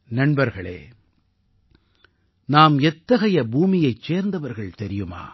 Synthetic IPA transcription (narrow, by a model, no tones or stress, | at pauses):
nɐɳbɐɾɣɐɭḛː | naːmɛt̪ːɐɣɐjɐbuːmɪjɐɪt͡ʃt͡ʃeːɾnd̪ɐʋɐɾɣɐɭt̪ɛɾɪjɯma̰ː